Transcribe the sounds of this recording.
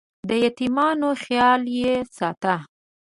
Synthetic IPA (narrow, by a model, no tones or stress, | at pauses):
d̪əjat̪imɑnoxjɑljesɑt̪a